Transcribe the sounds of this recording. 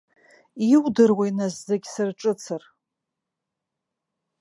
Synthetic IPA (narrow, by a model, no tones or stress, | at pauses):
iwdɨrwajnazzeɡʲsɨrʈ͡ʂʼɨt͡sʰɨr